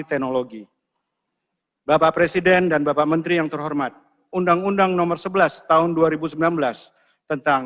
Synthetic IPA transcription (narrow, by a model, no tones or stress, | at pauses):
it̪ɛnoloɡi | bapapɾesidɛndanbapaʔmənt̪ɾijaŋt̪ərɦɔrmat̪̚ | undaŋundaŋnɔmərsəbəlast̪aɦʊnduaɾibusəmbilanbəlas | t̪ənt̪aŋ